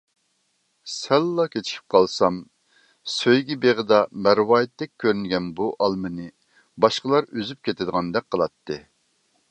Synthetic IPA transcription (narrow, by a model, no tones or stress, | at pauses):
sɛlːɑkʲʰet͡ʃʰi̥p̚qʰɑlˠsɑm | søjɡʲɛbeʁəd̪ɑmæɾwɑːjɪt̪ːɛk̚ʲkʲʰːøɾynɡʲɛnbuʔɑlˠmɨnɨ | bɑʃqəlˠɑɾyzyp̚kʲʰet̪ʰɪd̪əʁɑnd̪ɛk̚ʲqʰəlˠɑt̪ʰːɨ